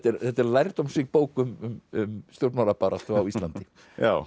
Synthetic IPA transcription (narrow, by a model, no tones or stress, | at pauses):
t̪ːɛɾθɛt̪ːɛɾlajɾ̥t̪ɔmsɪːɣpoːwkʏmʏmʏmst̪jowɾt̪alapaːɾast̪ʏawist̪lant̪ɪ | ja